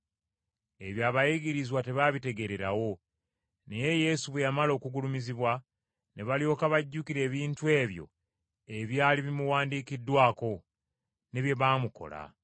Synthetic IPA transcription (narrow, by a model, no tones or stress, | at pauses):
e̞βjaːβajiɡiɾizwate̞βaβite̞ɡe̞ɾe̞ɾawo̞ | neje̞je̞suβwejamalo̞ːkuɡulumiziβwa | ne̞βalijo̞ːkaβaɟːukiɾe̞ːβiːntue̞ːβjo̞̰ | e̞βjaːliβimuwaːndiːkidwaːko̞ | ne̞βje̞βaːmuko̞̰la̰